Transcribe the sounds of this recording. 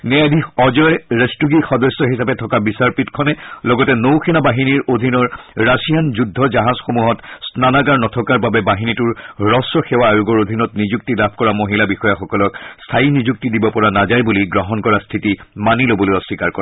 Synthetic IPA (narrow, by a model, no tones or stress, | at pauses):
nɛadʱiɔzɔjɹestuɡixɔdɔsːɔɦisapɛtʰɔkabisaɹpitkʰɔnɛlɔɡɔtɛnowxʰɛnabaɦiniɹodʱinɔɹːasijanzudʱːɔd͡ʒaɦazxomuɦɔtsnanaɡaɹnɔtʰɔkaɹbabɛbaɦinitʊɹɹɔsɹɔxɛwaːjuɡɔɹod̪ʱinɔtnizuk̚tilabʱkɔɹamoɦilabixɔjaxɔkɔlɔkstʰainizuk̚tidibɔpɔɹanazajbuliɡɹɔɦɔnkɔɹastʰitimanilobɔlojɔsːikaɹkɔɹa